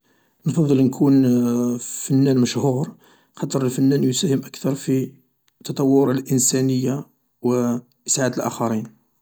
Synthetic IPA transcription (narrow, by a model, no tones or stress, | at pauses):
nfɑd̪ˤːəlnkʰun | fənːænməʃhuɾ | qɑt̪ˤəɾˤəlfənːænjʊsæhəmʔəkt̪ɑɾˤfi | t̪ɑt̪ˤɑwːʊɾˤɑlʔənsænəjːa | wə | ʔəsʕad̪əlʔæ̰xɑɾin